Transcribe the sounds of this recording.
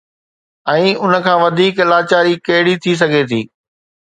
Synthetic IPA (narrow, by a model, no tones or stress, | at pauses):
ɛ̃ːʊnə̆kʰãːʋɐd̪ʱiːklaːt͡ɕaːɾikɐɦɪɽit̪ʰis̬ɐɡʱet̪ʰḭː